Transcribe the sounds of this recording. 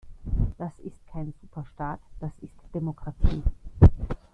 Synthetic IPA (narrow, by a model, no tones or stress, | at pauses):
d̥asɪstkʰaɪnzuːpʰɐʃtaːtd̥asɪstd̥emokʁ̥atʰḭː